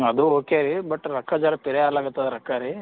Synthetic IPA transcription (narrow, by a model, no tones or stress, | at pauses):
ɐd̪uoːkeɾibɐʈːɾɐkʰːad͡ʒaːɾɐpiɾɛaːlaːɡut̪ːad̪ɾɐkːaːɾi